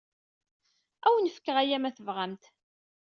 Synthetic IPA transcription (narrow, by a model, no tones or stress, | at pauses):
æwnəfə̥kːəʁæjæmæθəvʁamt̪